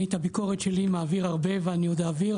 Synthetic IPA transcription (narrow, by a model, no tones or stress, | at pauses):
et̪abiko̞ʁet̪ʃelimaːviʁaʁbe̞veaniod̪aːviʁ